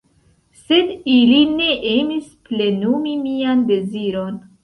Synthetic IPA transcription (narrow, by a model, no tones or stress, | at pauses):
se̞diline̞ʔe̞misple̞numimiande̞ziɾo̞n